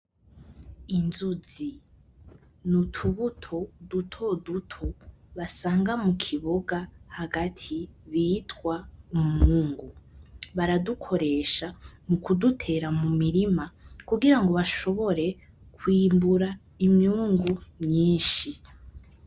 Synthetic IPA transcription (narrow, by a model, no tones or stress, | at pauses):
inzuzi | nutʰuβutʰo̞dutʰo̞dutʰo | βasaːŋɡamukʰiβoɡahaɡatʰiβiːtwaumuːŋɡuβaɾadukʰo̞ɾe̞ʃamukudutʰe̞ɾamumiɾimakuɡiɾaŋɡo̞βaʃo̞βo̞ɾe̞ | kʰwiːmbuɾa | imjuːŋɡumɲiːnʃi